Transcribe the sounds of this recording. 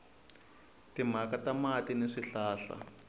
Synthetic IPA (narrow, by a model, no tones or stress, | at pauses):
tim̤akatamatineʂiɬaːɬa̰